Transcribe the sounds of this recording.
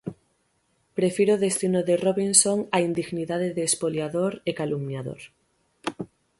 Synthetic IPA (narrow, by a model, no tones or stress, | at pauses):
pɾefiɾoðest̪inoðeroβinsoŋaind̪iɣniðaðeðeːspoljaðoɾekalumnaðo̰ɾ